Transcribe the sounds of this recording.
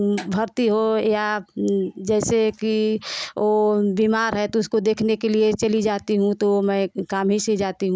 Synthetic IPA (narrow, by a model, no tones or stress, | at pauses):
bʱəɾt̪iɦoja | d͡ʒɛːseki | obiːmaːɾɦɛt̪oʊskod̪eːkʰnekeliet͡ʃɐlid͡ʒaːt̪iɦũt̪omɛ̃kaːmɦised͡ʒaːt̪iɦũ